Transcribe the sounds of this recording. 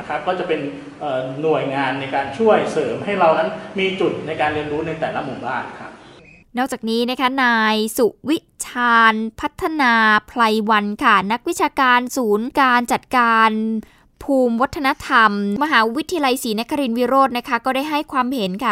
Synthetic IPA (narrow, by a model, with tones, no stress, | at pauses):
kʰa˦˥kːɔː˥˩t͡ɕa˨˩pe˧n | ʔɤː˨˩nu˨˩əjŋaː˧nːa˧jkaː˧nt͡ɕʰu˥˩əjsɤː˩˦mɦa˥˩jɾa˧wna˦˥nmiː˧t͡ɕu˨˩t̪̚na˧jkaː˧nɾi˧ənɾuː˦˥na˧jt̪ɛː˨˩la˦˥mu˨˩baː˥˩nkʰa˦˥p̚ | nɔː˥˩k̚t͡ɕaː˨˩k̚niː˦˥na˦˥kʰa˦˥naː˧jsu˨˩ʔwi˦˥ʔt͡ɕʰaː˧npʰa˦˥t̪ʰːa˧naː˧pʰla˧jwa˧nkʰa˥˩na˦˥k̚wi˦˥t͡ɕʰaː˧kaː˧nsuː˩˦nkaː˧nt͡ɕa˨˩t̪̚kaː˧n | pʰuː˧mwa˦˥t̪ʰːa˧na˦˥t̪ʰa˧mma˧ɦaː˩˦wi˦t̪ʰːi˧ja˧la˧jsiː˩˦na˦˥kʰa˧ɾi˧nwi˦˥ɾoː˥˩t̪̚na˦˥kʰa˦˥kɔː˥˩da˥˩jɦa˥˩jkʰwaː˧mhe˨˩˦nkʰa˦˥˩